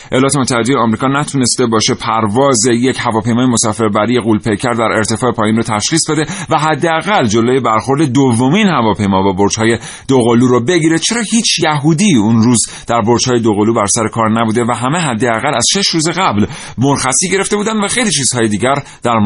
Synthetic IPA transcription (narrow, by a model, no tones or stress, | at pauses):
ʔejlɒːt̪ʰemot̪ʰːæhe̞d̪ejeɒːmɾiːkʰɒːnæt̪ʰune̞st̪ebɒːʃe̞pʰæɾvɒːzejechævɒːpʰe̞jmɒːjemosɒːfe̞ɾbæɾije̞ɣuːlpʰejcʰæɾd̪æɾe̞ɾt̪ʰe̞fɒːepʰɒːjiːnrot̪ʰæʃχiːsd̪ɒd̪e̞væɦæd̪ːeæɣæld͡ʒo̞lojebæɾxo̞ɾd̪e̞d̪ovːomiːnhævɒːpʰe̞jmɒːbæboɾd͡ʒhɒːje̞ | d̪̥oɣoluːɾobeɟiɾe̞t͡ʃʰe̞ɾɒːhiːt͡ʃʰjæɦud̪iːunɾuːz | d̪̥æɾboɾd͡ʒhɒːje̞d̪oɣoluːbæɾsæɾe̞kʰɒːɾnæbuːd̪e̞væɦæmeɦæd̪ːeæɣælæz̥ʃe̞ʃɾuːzeɣæbl | moɾxæsiːɟe̞ɾe̞ft̪e̞buːd̪ænd̪væxejliːt͡ʃʰiːz̥hɒːjed̪iːɟæɾ | d̪̥æɾm